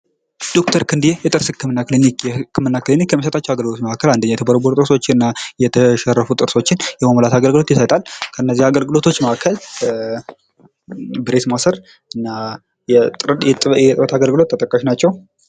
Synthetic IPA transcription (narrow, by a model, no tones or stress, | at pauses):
d̪̥o̞kt̪ʰəɾkʰɨnd̪ijejɛt̪ʼɨɾshɨkːɨmɨnːakɨlinikjɛhɨkʰːɨmɨnːakɨlinikjɛmːəs̬ət̪ʼat͡ʃːɛwaɡəlɡɨlo̞t̪məakːəland̪əɲːajɛt̪ʰəbəɾboɾt̪ʼɨɾsot͡ʃːɪɨnːajɛt̪ʰəʃɛrːəfut̪ʼɨɾso̞t͡ʃːɪnjɛmaməlat̪aɡəlɡɨlo̞t̪jɪsajt̪ʼalkʰənːəzːihaɡəlɡɨlo̞t̪ʰo̞t͡ʃːməʔakʰːəl | bɨɾe̞t̪masəɾ | ɨnːa | jɛɛjɛt̪ʼɾət̪ʰaɡəlɡɨlo̞t̪ːət̪ʼəkʼːaʃnat͡ʃːɛw